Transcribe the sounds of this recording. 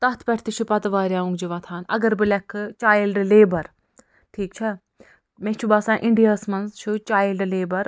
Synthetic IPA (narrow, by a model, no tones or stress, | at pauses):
t̪ɐt̪ʰpʲɐʈʰt̪it͡ʃʰupɐt̪ɐʋaːɾʲjaːũŋɡd͡ʒiʋɐ̃t̪ʰaːnɐ̰ɡɐɾbɨlɐkʰːt͡ʃaːjlɖleːbɐɾ | ʈʰiːkt͡ʃʰɐ | mẽt͡ʃʰubaːsãːʔɪɳɖijaːsmɐnzt͡ʃʰut͡ʃaːjlɖleːbɐɾ